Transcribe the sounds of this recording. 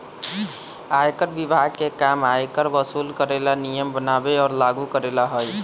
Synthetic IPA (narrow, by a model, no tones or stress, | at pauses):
ajkəɾbibʱaɡ̚kekamajkəɾbəsuːlkəɾelanijəmbənabeɔːɾlaɡukəɾelaɦoj